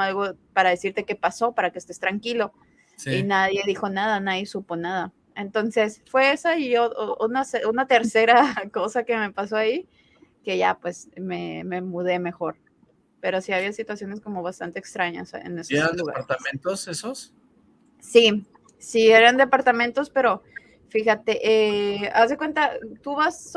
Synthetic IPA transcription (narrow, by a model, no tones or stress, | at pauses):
alɣo̞paɾaðe̞siɾt̪e̞ke̞paso̞paɾakest̪e̞st̪ɾaŋkilo̞ | sinaðje̞ðixo̞naðanaðje̞supo̞naða | ent̪o̞nse̞sfwe̞esaiʝounaseʔunat̪e̞ɾse̞ɾako̞sake̞me̞paso̞ai | ke̞ʝa̰pwe̞sme̞me̞muð̞e̞me̞xo̞ɾ | pe̞ɾo̞siaβ̞iasit̪wasjo̞ne̞sko̞mo̞β̞ast̪ant̪eːkst̪ɾaɲa̰sḛneseɾand̪uɣa̰aɾt̪amẽnt̪osesos | si | sie̞ɾand̪e̞paɾt̪amẽnt̪o̞spe̞ɾo̞ | fixat̪e̞ʔeazðekwe̞nt̪at̪uβas